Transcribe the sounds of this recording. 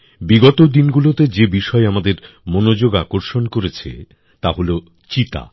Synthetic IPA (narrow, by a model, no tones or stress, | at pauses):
biɡɔt̪od̪inɡulot̪ed͡ʑebiʃɔeamad̪eɾ | monod͡ʑoɡakoɾʃonkoɾet͡ɕʰḛ | t̪aɦolo | t͡ɕit̪a̰